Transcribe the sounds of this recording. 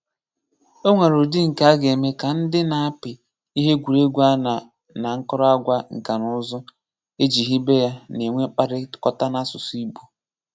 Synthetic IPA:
o˦ŋʷa˨ɾo˨di˦ŋ̩˨ka˦a˦ɡe˨me˦ka˨n̩˦dɪ˦na˨a˦pɪ˨ | i˦ɦe˦ɡʷu˨ɾe˦ɡʷa˦na˨ | na˨ŋ̩˦kɔ˦ɾɔ˦a˦ɡʷa˦ŋ̩˨ka˨nʊ˦zɔ˦ | e˦d͡ʒi˨ɦi˦be˦ja˦ne˨ŋʷe˦k͡pa˦ɾɪ˦kɔ˦ta˦na˦sʊ˨si˦bu˦

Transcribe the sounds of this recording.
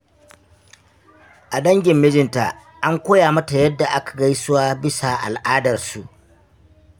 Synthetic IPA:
ʔa˨ɗɐ˦ŋɡʲɪ˨mːɪ˦d͡ʒɪ˨nta˨ | ʔa˦ŋkʷoː˦jaː˨mɐ˦ta˨jɐ˦dːa˨ʔa˦kḁ˨ɡa˦jsʊ˦waː˦bɪ˦sa˨ʔa̰˨lʔaː˦dɐ˨rsu˨ʔ

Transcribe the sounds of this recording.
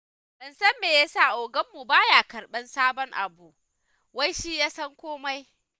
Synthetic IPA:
ɓɪ˨nsɐ˦mːeː˨ja˦saː˦˨ʔoː˨ɡɐ˦mːu˨baː˦jaː˨kɐ˨ɽɓɐ˦nsaː˦bɔ˦ŋʔa̰˨bu˨ʔ | wa˦jʃi˦jaː˦sɐ˦ŋkʷoː˦ma˦j

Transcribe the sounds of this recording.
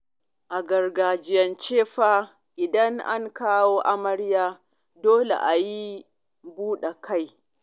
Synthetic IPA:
ʔa˨ɡɐ˨rɡaː˨d͡ʒɪ˦˨jɐ˨nt͡ʃeː˦ɸa˦ | ʔɪ˨dɐ˦ŋʔa̰˦ŋkaː˦woː˦ʔa˦mɐ˦ɽjaː˦ | doː˦lḛ˨ʔa˨ji˦ | buː˦ɗa˨kʰa˦j

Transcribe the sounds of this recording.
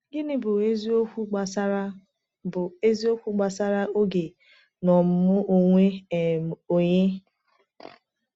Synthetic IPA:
ɡɪ˦nɪ˦bʊ˨˦zo˦˨˦ | bʊ˨e˦zi˦o˦kʷu˦ɡ͡ba˨sa˦ɾa˦o˦ɡe˨ | nɔ˨m̩˦mʊ˦o˨ŋʷe˦˨m˨o˨ɲe˦

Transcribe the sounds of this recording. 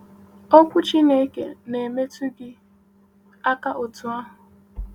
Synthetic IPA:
o˦kʷʊ˦t͡ʃi˦ne˦kḛ˨ne˨me˦tu˦ɡɪ˦ | a˦ka˦ʔo˨tu˨a˦ɦʊ˨

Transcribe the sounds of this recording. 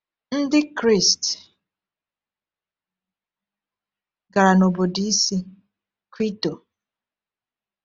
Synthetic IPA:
n̩˦dɪ˦kɾi˦˨st | ɡa˨ɾa˨no˨bo˨di˨i˦si˦ | kwi˦to˨

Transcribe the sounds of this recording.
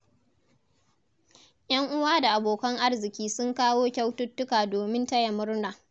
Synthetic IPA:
ʔj̰ɐ˦ŋʔʊ˦waː˦da˨ʔa˨boː˨kɐ˦ŋʔa˦rzɪ˨kʲiː˦sʊ˦ŋkaː˦woː˦kʲa˦wtʊ˦tːʊ˦kaː˨doː˨mɪ˦nta˦jɐ˨mʊ˦ɽnaː˨

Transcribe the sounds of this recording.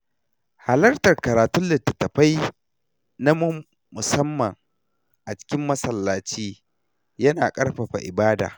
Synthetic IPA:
ha˨lɐ˦rtɐ˨rkɐ˨ɾaː˨tʊ˦nlɪ˨tːɐ˨tɐ˨ɸa˦j | na˦m˦ | mʊ˨sɐ˦mːɐ˨ŋ | ʔa˨t͡ʃɪ̥˦kʲɪ˦mːɐ˦sɐ˨lːaː˨t͡ʃiː˦ | jɐ˦naː˨kʼɐ˦rɸa˨ɸa̰˨ʔɪ̰˨baː˦da̰ː˨

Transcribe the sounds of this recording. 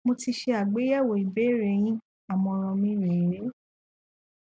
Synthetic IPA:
mo˧ti˧ʃe˧a˨ɡ͡be˨˦ja˦˨wo˧˨i˨be˨˦˨ɾe˨˧˨j̃ĩ˦ | a˨mɔ̃˧ɾ̃ɔ̃˧mĩ˦ɾẽ˨ĩ˨ɾe˨˦

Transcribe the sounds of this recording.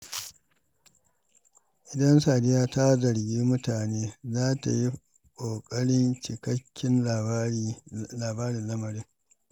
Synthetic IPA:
ʔɪ˨dɐ˦nsaː˨dɪ˦jaː˦ta˦zɐ˨ɽɡʲiː˦mʊ˦taː˨neː˦zaː˦ta̰˨ji˦ | kʷʼoː˨kʼɐ˦ɽɪ˦nt͡ʃɪ˨kɐ˦kʲʰːɪ˦n˨˦laː˨baː˦ɽɪ˨nlɐ˦mɐ˨ɾɪ˦ŋ

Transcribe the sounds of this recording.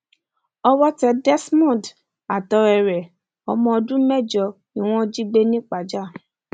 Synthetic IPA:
ɔ˧wɔ˦tɛ˧dɛ˦smɔ̃˦˨d | a˨tɔ˧ɛ˨ɾɛ˨ | ɔ˧˦mɔ̃˧ɔ˧dũ˦mɛ˦˨d͡ʒɔ˧ | i˨w̃ɔ̃˦d͡ʒi˦ɡ͡be˦nĩ˦k͡pa˨d͡ʒa˦˨

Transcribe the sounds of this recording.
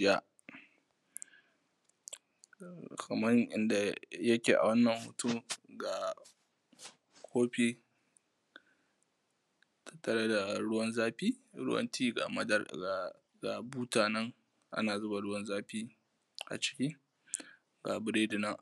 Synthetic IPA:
ɪ˦ja˦ | kɐ˨mɐ˦rʔɪ̰˦nda˨jɐ˦kʲeː˨ʔa̰˨wɐ˦nːɐ˨mhʊ̰˨tu˦ɡa˨ | kʰoː˦ɸi˦ | tʰɐ̥˦tːɐ˨ɾa˦da˨ɽʊ˦wɐ˦nzaː˦ɸiː˦ɾʊ̰˦wɐ̰˦ntʰiː˦ɡa̰˨mɐ˦dɐ˦r | ɡa˨buː˦taː˨nɐ˦ŋ | ʔa̰˦naː˨zʊ˦ba˨ɽʊ˦wɐ˦nzaː˦ɸiː˦ | ʔa̰˨t͡ʃɪ̥˨kʲiː˦ | ɡa˨bɪ˨ɾeː˦dɪ˨nɐ˦ŋʔ

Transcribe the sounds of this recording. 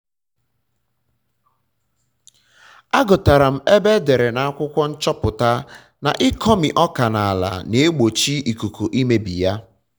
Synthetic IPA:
a˦ɡʊ˨ta˨ɾa˨m̩˨e˦be˦de˨ɾe˨na˨˦a˦kʷʊ˦kʷɔ˦n̩˦t͡ʃɔ˦pʊ˨ta˦ | na̰˨ʔɪ˦kʰɔ˦mi˨ʔɔ˦ka˨na˨a˨la̰˨ne˨˦ɡ͡bo˨t͡ʃi˦i˨ku˨ku˨ʔi˦me˦bḭ˨ja˦

